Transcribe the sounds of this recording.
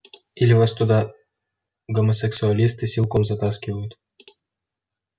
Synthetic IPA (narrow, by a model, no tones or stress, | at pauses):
ilʲɪvast̪ʊd̪ɑ | ɡomosʲɛksʊɐlʲist̪ɨsʲilˠkɔmzɐt̪askʲɪvɐjʊt̪